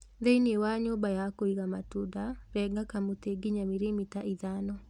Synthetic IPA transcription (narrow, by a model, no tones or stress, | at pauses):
ðeinewaɲobajakoiɣamatudaɾɛɡakamot̪eɡiɲamiɾemitaʔiðanɔ